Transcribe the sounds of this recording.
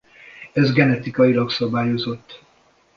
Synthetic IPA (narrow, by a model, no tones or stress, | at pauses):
ɛzɡɛnɛt̪ikɒjilɒksɒbaːjo̞zo̞t̪ː